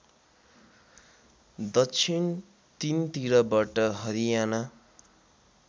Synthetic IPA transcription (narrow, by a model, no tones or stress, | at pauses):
d̪ʌt͡sʰin | t̪int̪iɾʌbaʈʌɦʌɾijana